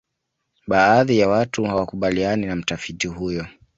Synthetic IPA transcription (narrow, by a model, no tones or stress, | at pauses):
ɓaːðijawatuhawakuɓalianinam̩tafitiɦujɔ